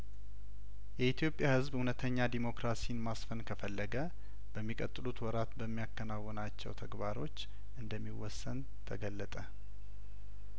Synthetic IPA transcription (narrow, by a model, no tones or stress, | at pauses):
jɛit̪ʰjo̞pʼjahɨzbhunət̪ʰəɲːad̪imo̞kɾasinmasfənkʰəfəlːəɡə | b̥əmːikʼət̪ʼːɨlut̪wɔɾat̪bəmːijakːənawːɔnat͡ʃːɛ̰wt̪ʰəɡβaɾo̞t͡ʃː | ʔɨnd̪əmːiwɔsːən | t̪ʰəɡəlːət̪ʼə